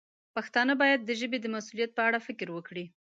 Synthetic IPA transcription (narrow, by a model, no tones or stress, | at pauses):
paxt̪ɑnəbɑjad̪̚ːəʒəbed̪əmasulijat̪̚pəaɽafɪkɾwəkɽi